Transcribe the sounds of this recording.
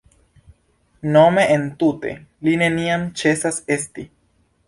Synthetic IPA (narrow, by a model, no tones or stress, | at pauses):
nome̞ʔentute̞̰line̞niamt͡ʃe̞sase̞sti